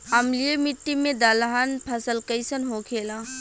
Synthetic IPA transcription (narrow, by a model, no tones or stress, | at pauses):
ɐmlijemiʈːimẽd̪alɦanpʰəsəlkəjsənɦokʰeːlãː